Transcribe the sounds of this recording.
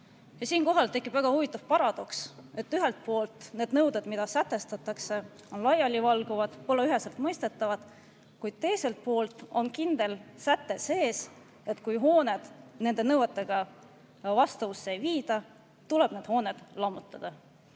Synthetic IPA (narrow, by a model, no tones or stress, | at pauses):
jɑsiːnko̞ɦɑlt̪e̞kːˑib̥væɡ̥ɑhuvit̪ːˑɑv̥pɑɾɑd̪̥o̞kse̞t̪ːyɦe̞lt̪̚po̞ːlt̪ne̞ːd̪̥nɤwd̪ed̪mid̪̥ɑsæt̪ːˑe̞st̪ɑt̪ːˑɑkse̞ | o̞nlɑjɑlʲivɑlɡ̥uvɑd̪̥po̞lːeyɦe̞selt̪mɤjst̪e̞t̪ːˑɑvɑd̪ | kujd̪̥̚t̪e̞jse̞lt̪̚po̞ːlt̪ˑo̞nkind̪̥e̞lsæt̪ːe̞se̞ːs | e̞t̪ːˑkujɦo̞ːne̞d̪̥ne̞nd̪e̞nɤwɑt̪ːˑe̞ɡ̥ɑ | vɑst̪ɑvusːeejviːd̪̥ɑ | t̪ule̞b̥ne̞ːd̪̥ho̞ːned̪̥lɑmut̪ːˑɑd̪̥ɑ